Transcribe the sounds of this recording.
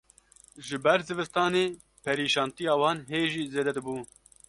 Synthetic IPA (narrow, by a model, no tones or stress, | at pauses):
ʒɨbɛɾzɨvɨst̪ɑːneː | pʰɛɾiːʃɑːnt̪ijɑːwɑːnɦeːʒiːzeːd̪ɛd̪ɨbuː